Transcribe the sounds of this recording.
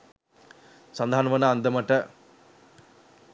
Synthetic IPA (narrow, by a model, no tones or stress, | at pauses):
sɐnd̪ʱaːnʋɐnaɐnd̪ɐmɐʈːɐ